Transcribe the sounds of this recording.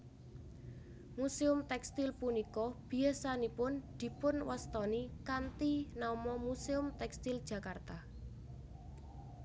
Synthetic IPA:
museʊmt̪ɛkst̪ilpunikɔb̥i̤asanipʊnd̪̥i̤pʊnwast̪ɔnikant̪inaumɔmuseʊmt̪ɛkst̪ild̥ʒ̥ä̤kart̪a

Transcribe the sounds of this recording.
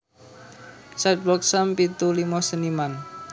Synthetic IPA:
sat̪̚bɔk̚sampit̪ulimɔsəniman

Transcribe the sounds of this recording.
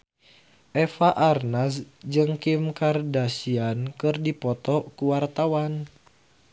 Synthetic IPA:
ʔɛfaʔarnasd͡ʒɨŋkimkardasiankɨrdipɔt̪ɔkuwart̪awan

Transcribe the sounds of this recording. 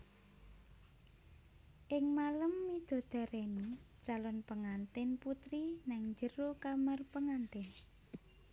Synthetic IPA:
ʔɪŋmaləmːid̪̥o̤d̪̥a̤ɾeni | t͡ʃalɔnpəŋant̪ɪnput̪ɾinaŋɲd͡ʒəɾokamarpəŋant̪ɪn

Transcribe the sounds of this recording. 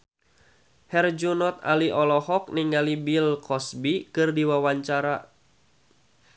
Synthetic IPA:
hɛrd͡ʒunɔt̪̚a̰liʔɔlɔhɔk̚niŋalibilkʰɔsbikɨrdiwawaɲt͡ʃaɾa

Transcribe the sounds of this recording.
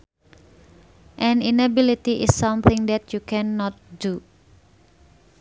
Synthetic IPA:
ʔɛ̃ninabilit̪iʔɪsːãmθɪ̃ŋd̪ɛt̪jukʰɛnːɔt̪̚du

